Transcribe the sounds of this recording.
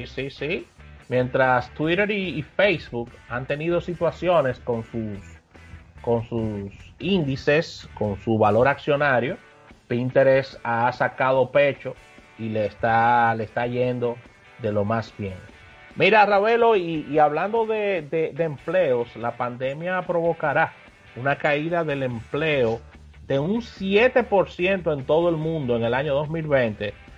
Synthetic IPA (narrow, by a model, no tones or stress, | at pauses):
sisisimjẽ̞nt̪ɾast̪wiɾe̞ɾiːfejsβukant̪e̞niðo̞sit̪wasjo̞ne̞sko̞nsus | ko̞nsusind̪ise̞sko̞ŋsuβalo̞ɾaksjo̞naɾjo̞ | pint̪e̞ɾesasakaðo̞pe̞t͡ʃo̞ | ileːst̪aleːst̪aʝe̞nd̪o̞ | ðe̞lo̞masbje̞ŋ | miɾaraβe̞lo̞iːaβland̪o̞ðe̞d̪ed̪eːmple̞oslapand̪e̞mjapɾo̞βo̞kaɾa | unakaiðaðe̞le̞mple̞o | ð̥e̞uŋsjet̪e̞po̞ɾsje̞nt̪o̞e̞nt̪o̞ðoe̞lmũnd̪o̞e̞ŋe̞laɲo̞ðo̞smilβent̪e̞